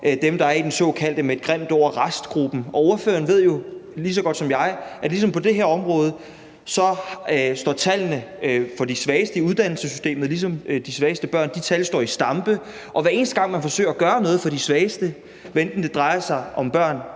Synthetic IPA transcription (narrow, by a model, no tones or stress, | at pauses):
d̥emd̥ɑ̈æɐid̥ensɔ̰̽kʰæl̰d̥əmed̥̚ɡ̥ʁem̰d̥ɒʊ̰ɐʁasd̥ɡ̥ʁub̥n̩ɒ̽oɐfø̰ːɐn̩ʋe̝ð̞̰ˠjo̝lisɒ̽ɡ̥ɒ̽d̥sɒ̽mjɑ̈ɪʔæ̥lis̬ɒ̽mpʰɒ̽d̥e̝ɦæɐɒ̽mʁɔ̽ːð̞ˠə | sɒ̽hsd̥ɒ̰ːt͡sʰælnəfɒ̽disʋɛːɪsd̥əiuðˠd̥æn̰l̩səsysd̥e̝̰ːmð̩ˠlis̬ɒ̽md̥isʋɛːɪsd̥əb̥ɶɐ̰nd̥it͡sʰælsd̥ɒ̰ːisd̥ɑ̈mb̥ə | ʔɒ̽ʋæɐe̝ːn̩sd̥əɡ̥ɑ̈ŋ̰mænfɒ̽sø̰ɪɐæɡ̥ɶːɐnɔ̽ːð̩ˠfɒ̽disʋɛːsd̥ə | ʋend̥n̩d̥e̝d̥ʁɑ̈ɪɐsɑ̈ɪʔɒ̽mb̥ɶɐ̰n